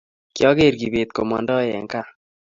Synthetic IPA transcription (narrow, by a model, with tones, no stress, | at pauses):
kjɔ˦ɡe˦˨ɾɡi˨be˨t̪̚ko̰˨ma˨ndɔ˦jɛ̰˨ŋka˦˨